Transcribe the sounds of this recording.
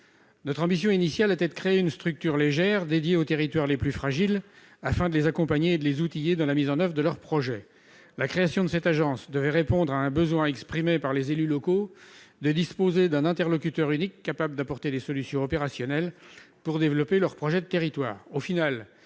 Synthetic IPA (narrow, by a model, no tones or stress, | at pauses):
nɔt̪χɑ̃bis̬jɔ̃inisjalɛt̪ɛd̪əkχeeynst̪χyk̚t̪yʁleʒɛʁd̪ed̪jeot̪eʁit̪waʁleplyfχaʒil | afɛ̃d̪əlezakɔ̃paɲeːd̪əlezut̪ijed̪ɑ̃lamizɑ̃nœvʁd̪əlœʁpχɔʒɛ | lakχeasjɔ̃d̪əsɛt̪aʒɑ̃sd̪əvɛʁepɔ̃d̪ʁaɛ̃bəzwɛ̃ɛkspχimepaʁlezelylɔkod̪əd̪ispozed̪ɛ̃nɛ̃t̪ɛʁlɔkʲyt̪œʁynikːapabləd̪apɔʁt̪ed̪esɔlysjɔ̃ɔpeʁasjɔnɛl | puʁd̪evlɔpelœʁpχɔʒɛd̪ət̪eʁit̪waːʁofinal